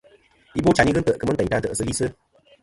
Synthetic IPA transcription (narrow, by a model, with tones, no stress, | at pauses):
i˦bo˦t͡ʃa˨ni˦ɣɨ˦n̩˦tə˨ʔkɨ˦mə˦tə˨ta˧n̩˦tə˨ʔsɨ˧li˦sɨ˦